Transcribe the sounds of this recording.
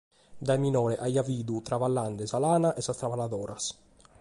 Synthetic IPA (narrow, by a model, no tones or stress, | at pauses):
d̪ajminɔːɾɛʔajaviːd̪ut̪ɾavalːand̪ɪsalaːnaʔɛsast̪ɾavalad̪ɔːɾas